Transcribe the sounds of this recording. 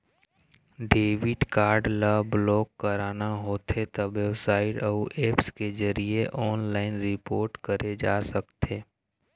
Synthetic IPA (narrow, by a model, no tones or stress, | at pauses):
ɖeːʋɪʈkaːɾɖləblɔːkːəɾaːnaɦoːt̪ʰet̪əbebsaːɪʈɐuʔeːpskezɐɾieʔɔːnlaːɪnɾɪpoːɾʈkəɾed͡ʒaːsəkt̪ʰeː